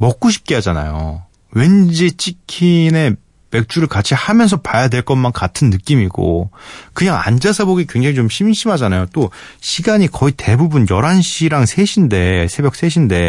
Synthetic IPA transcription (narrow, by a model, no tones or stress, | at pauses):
mʌk͈̚oɕʰi̥p̚k͈ead͡ʑana̰jo̰ | we̞nd͡ʑit͡ɕ͈ikʰine̞ | me̞k̚t͡ɕ͈uɾɯɭkat͡ɕʰihamjʌns̬ʰʌpajadweɭk͈ʌnmankatʰɯnːɯk͈imiɡ̥o̰kɯɲaŋa̰nd͡ʑasʰaboɡikwe̞ŋd͡ʑeŋit͡ɕomɕʰimɕʰimɦad͡ʑanajot͈oɕʰiɡaɲikʌite̞bubunjʌɾanɕʰiɾaŋsʰe̞ɕʰinde̞sʰe̞bjʌk̚s͈e̞ɕ̬ʰinde̞